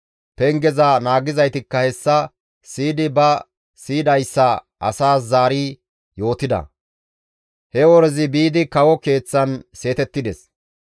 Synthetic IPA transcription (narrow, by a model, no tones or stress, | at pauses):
pɛŋɡɛzɐnaːɡɪzɐjt̪ɪkːɐhɛsːɐ | siːd̪ɪbɐ | siːd̪ɐjsːɐ | ʔɐ̰saːs̬zaːɾi | jo̞ːt̪ɪd̪ɐ̰ | hɛwɔɾɛzɪbiːd̪ɪkɐwɔke̞ːt͡sːɐnse̞ːt̪ɛt̪ːɪd̪ɛs